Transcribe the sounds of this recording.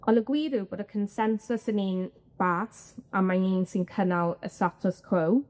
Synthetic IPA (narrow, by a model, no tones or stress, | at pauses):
ɔləɡwiːɾubɔɾəkʰənsɛnsʊsənin | b̥atəmaninsinkʰənalˠə̰satʰɔskʰow